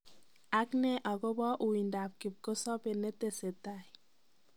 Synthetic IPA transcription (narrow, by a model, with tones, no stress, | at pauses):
a˦knɛ˦ʔɔ˨ɡɔ˦bɔ˦ʔu˨i˨nda˨p̚ki˨p̚ko˦sɔ˦pe˨ne˦te˨se˨ta˨j